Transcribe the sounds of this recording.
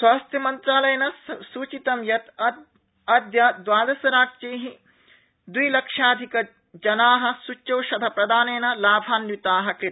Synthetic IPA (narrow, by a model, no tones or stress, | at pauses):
swaːst̪ʰjɐmɐnt̪ɾaːlɐjɐnɐsuːt͡ʃit̪ɐmjɐt̪ɐ | ɐd̪jad̪ʋaːd̪ɐsɐɾaːk̚t͡ʃeːɦi | d̪wujlɐkʂaːd̪ʱikɐ | d͡ʒɐnaːɦɐ̆sut͡ʃːɐwʃɐd̪ʱɐpɾɐd̪aːneːnɐlaːbʱaːnjit̪aːɦɐ̆kɾi